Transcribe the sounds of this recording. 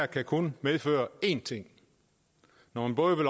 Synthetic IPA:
ɐ̰kʰækʰonmeð̞ˠfø̰ːɐe̝̰nt͡sʰe̝ŋ̰ | nɒhænb̥ɔ̽ːðˠʋe̝l

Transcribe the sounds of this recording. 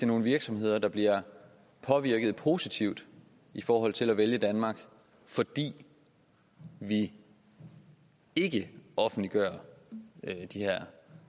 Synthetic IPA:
d̥eno̝ːn̩ʋiɐɡ̥sɒ̽mhe̝ð̞̰ˠɐd̥ɑ̈b̥liɐ | pʰɒ̽ʋiɐɡ̥ð̩ˠpʰo̝ːsit͡sʰiʊd̥ | ifɒːɦɒ̽l̰t͡sʰe̝læʋeljəd̥ænmɑ̈ɡ̥ | fɒ̽d̥ḭː | ʋi | e̝ɡ̥əʔɒ̽fn̩d̥liɡ̥ɶːɐ | d̥ihæɐ̰

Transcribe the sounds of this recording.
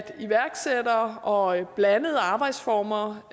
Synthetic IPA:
d̥iʋæɐɡ̥sed̥ɐɒ̽b̥lænəð̞̩ˠɑ̈ːb̥ɑ̈ɪd̥sfɒ̰ːmɐ

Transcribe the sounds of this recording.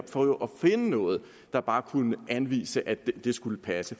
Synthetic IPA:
b̥fɒjoʔɒ̽fe̝nənɔ̽ːð̞̩ˠ | d̥ɑ̈b̥ɑ̈ːkʰunəʔænʋḭːsəʔæd̥d̥e̝sɡ̥uləpʰæsə

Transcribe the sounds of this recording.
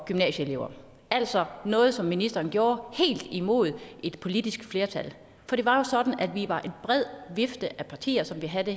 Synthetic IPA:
ɡ̥ymnɛ̰ːɕəele̝ʊɐ | æl̰sɒ̽nɔ̽ːð̞̩ˠsɒ̽mːinisd̥ɐːnɡ̥jo̝ːɐhe̝̰ːld̥imo̝̰ð̞ˠʔe̝d̥pʰo̝lid̥isɡ̥fle̝ːɐt͡sʰæl | fɒ̽ɾ̥e̝ʋɑ̈jo̝sɒ̽d̥n̩æd̥ʋiʋɑ̈ʔe̝nb̥ʁɛð̞̰ˠʋefd̥əʔæpʰɑ̈t͡sʰḭːɐsɒ̽mʋiɦæðə

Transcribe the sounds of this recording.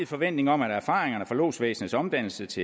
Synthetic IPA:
ð̩ˠfɒ̽ʋen̰d̥ne̝ŋɒ̽mæɾæɐfɑ̈ːʁeŋɐnəfɒlo̝̰ːsʋḛːsn̩ð̩ˠsɒ̽md̥æn̰l̩sət͡sʰe̝

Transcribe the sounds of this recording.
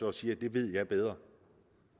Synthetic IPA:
ɒsiːɐd̥e̝ʋe̝ð̞̰ˠjɑ̈ɪb̥eð̞ˠʁɐ

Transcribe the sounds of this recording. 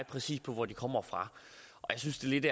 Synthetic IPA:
pʰʁɛsḭːspʰɒ̽ʋɒd̥ikʰɒ̽m̰ɐfʁɑ̈ | ʔɒ̽jasynsd̥e̝le̝d̥æ

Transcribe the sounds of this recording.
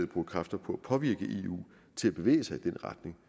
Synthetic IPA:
ð̰̩ˠb̥uːkʰʁɑ̈fd̥ɐpʰɒ̽æpʰɒ̽ʋiɐɡ̥əʔe̝ːṵː | t͡sʰe̝læb̥e̝ʋḛːəsɑ̈ɪid̥enʁɑ̈d̥ne̝ŋ

